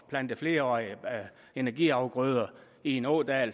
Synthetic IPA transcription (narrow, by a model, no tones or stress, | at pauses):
b̥læn̰d̥əfle̝ːɐɒ̰ːi | e̝næɐɡ̥ḭɑ̈ʊɡ̥ʁœːð̞ˠɐ | ie̝nɔ̰ːd̥ɛːl